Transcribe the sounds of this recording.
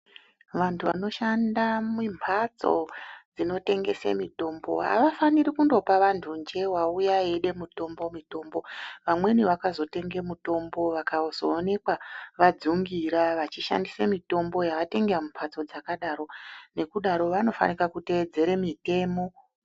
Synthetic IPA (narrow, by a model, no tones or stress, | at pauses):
ʋantʰuʋano̞ʃandamimpʰat͡so̞̰d͡zino̞te̞ŋɡe̞sḛmito̞ːmbo̞̰ɦa̰ʋafaniɾikundo̞paʋantʰund͡ʒe̞waujaeɗe̞muto̞mbo̞mito̞mbo̞ʋamwe̞niʋakazo̞te̞ŋɡemuto̞mbo̞ʋakazoːne̞kwaʋad͡zuŋɡiɾaʋat͡ʃiʃa̰ndisamito̞mbo̞jaʋate̞ŋɡeamumpʰat͡so̞d͡zakaɗaro̞ne̞kuɗaɾo̞ʋano̞fa̰nikakute̞ːd͡ze̞ɾemite̞ːmo̞